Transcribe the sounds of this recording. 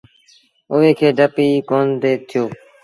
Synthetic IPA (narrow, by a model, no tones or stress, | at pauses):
ʊʋeːkʰeːɖəpiːkoːnd̪eːt̪ʰɪjoː